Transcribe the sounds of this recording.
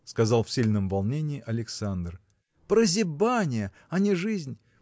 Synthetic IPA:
skɐzɑlˠfsʲilʲnəmvɐlˠnʲenʲɪːʔɐlʲɪksand̪r | pɾəzʲɪbanʲɪjə | ɐnʲɪʐɨzʲnʲ

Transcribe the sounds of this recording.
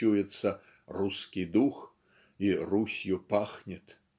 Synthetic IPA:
ujɛt̪sːɐ | ruskʲid̪ux | irusʲjupaxnʲɛt̪

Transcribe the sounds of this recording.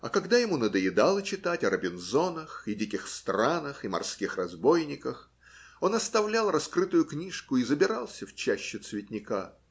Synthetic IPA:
ɐ̰kɐɡd̪ajɪmunəd̪əjɪd̪alˠət͡ɕɪt̪atʲɐɾəbʲɪnzo̞nəxɪdʲikʲɪxst̪ɾanəxɪmɐ̰rskʲixrɐzbo̞jnʲɪkəx | o̞nɐst̪ɐvlʲalˠrɐskɾɨt̪ʊjʊknʲiʂkʊizəbʲɪɾalˠsʲəft͡ɕæɕːɪt̪svʲɪtʲnʲɪka

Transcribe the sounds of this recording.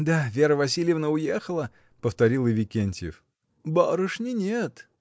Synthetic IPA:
d̪avʲeɾəvɐs̬ʲilʲjəvnəʊjexəlˠə | pəft̪ɐɾʲilˠɨvʲɪkʲenʲtʲɪjɪ̰f | baɾɨʂnʲɪnʲet̪

